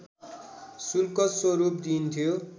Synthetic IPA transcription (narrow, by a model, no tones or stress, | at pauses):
sulkʌswoɾup̚d̪int̪ʰjo